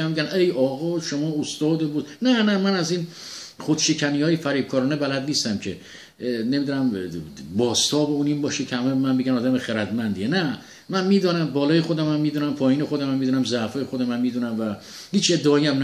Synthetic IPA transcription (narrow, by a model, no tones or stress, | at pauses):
æmiɟænʔejɒːɣɒːʃomɒːost̪ɒːd̪ebud̪nænæmænæziːn | χod̪ʃe̞cʰæniːjɒːjefæɾiːb̥̚kʰɒːɾɔːnebælæd̪niːst̪æmcʰe̞ | ne̞mid̪unæmbɒːst̪ʰɒːbeunimbɒːʃecʰehæmebmænbeɡænɒːd̪æmexeɾæd̪mænd̪ienæ | mænmiːd̪ɒːnæmbɒːlɒːjexod̪æmæmːiːd̪unæmpʰɒːjiːnexo̞d̪æmæmːid̪unæmzæʔfɒːjexod̪æmæmːiːd̪unæmvæ | hiːt͡ʃe̞d̪ːeɒːjiæmn